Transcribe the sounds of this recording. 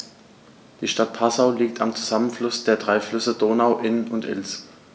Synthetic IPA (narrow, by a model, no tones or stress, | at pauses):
d̥iːʃtat̚pʰasaʊliːk̚tʰa̰mt͡suzamənflʊsd̥eːɐdʁaɪflʏsədoːnaʊʔɪnʊntʔɪ̰ls